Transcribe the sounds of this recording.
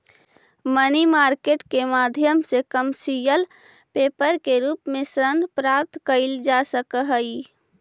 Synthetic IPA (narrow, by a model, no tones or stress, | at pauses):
mənimaːɾkeːʈkemaːd̪ʱjəmsekəmsijəl | peːpəɾkeɾuːpmẽsɾənpɾaːp̚t̪kəɪld͡ʒasəkɦəi